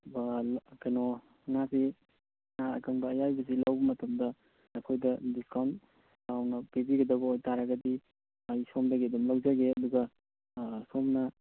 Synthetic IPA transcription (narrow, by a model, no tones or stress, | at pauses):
bakano | nasi | naɐ̰kɐŋbɐːjajbɐs̬ilawbɐmɐtɐmdɐ | ɐkʰojdɐdiskawnt | tawnɐpibiɡɐdɐbɐojtaɾɐɡɐdi | ajsomdɐɡiɐdumlɐwd͡ʒɐɡeɐduɡɐ | somnɐ